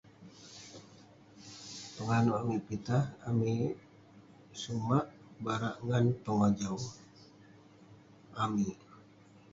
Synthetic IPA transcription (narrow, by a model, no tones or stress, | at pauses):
pəŋanuʔamiʔpit̪ahami | sumaʔ | baɾaʔŋanpəŋad͡ʒaw | ʔami